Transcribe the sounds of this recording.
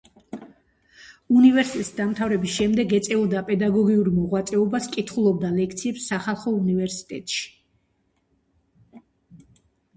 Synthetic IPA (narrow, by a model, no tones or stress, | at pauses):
univɛɾsit̪ɛt̪ʼisd̪amt̪ʰavɾɛbisʃɛmd̪ɛɡɛt̪sʼɛɔd̪apʼɛd̪aɡɔɡiuɾmɔʁwat̪sʼɛɔbaskʼit̪ʰχulˠɔb̚d̪alɛk̚ʰt̪sʰiɛpsːaχalˠχɔunivɛɾsi̥t̪ʼɛ̰t̪ʼʃi̥